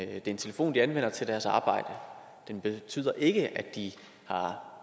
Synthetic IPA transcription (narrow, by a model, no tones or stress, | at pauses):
d̥e̝ɐe̝nt͡sʰe̝ləfo̝̰ːnd̥iænʋen̰ɐt͡sʰe̝ld̥æɐsɑ̈ːb̥ɑ̈ɪ̰d̥ə | d̥enb̥e̝t͡sʰy̰ːð̰ˠɐʔe̝ɡ̥əʔæd̥d̥i | hɑ̈